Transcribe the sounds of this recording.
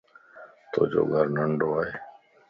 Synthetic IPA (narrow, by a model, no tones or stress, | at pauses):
t̪o̰ːd͡ʒo̰ːɡʱəɾnəɳɖoːaːɦeː